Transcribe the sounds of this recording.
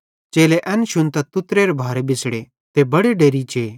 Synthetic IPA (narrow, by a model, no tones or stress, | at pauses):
t͡ʃeːleʔɛnʃʊnt̪at̪ʊt̪ɾeɾebʱaːɾebɪsɽe | t̪ebɐɽeɖeːɾit͡ʃeː